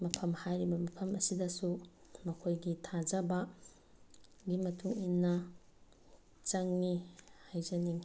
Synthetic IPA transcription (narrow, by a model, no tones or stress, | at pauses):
mɐpʰɐmhajɾibɐmipʰɐmɐsidɐsumɐkʰojɡitʰad͡ʒɐbɐ | ɡimɐtʰuŋinːɐ | t͡ʃɐŋnihajzɐniŋ